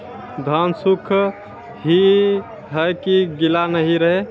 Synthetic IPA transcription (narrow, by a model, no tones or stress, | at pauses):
d̪ʱansukʰ | ɦi | ɦəjkiɡilanəɦiɾəɦe